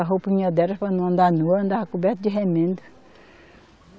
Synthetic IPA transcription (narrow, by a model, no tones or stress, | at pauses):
aɦopiɲad̪ɛɾɐspanõnd̪anuɐnd̪ahakubɛɾt̪d͡ʒiɦemẽnd̪u